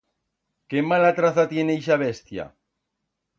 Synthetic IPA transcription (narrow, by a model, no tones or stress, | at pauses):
kemalat̪ɾaθat̪jenejʃaβ̞est̪ja̰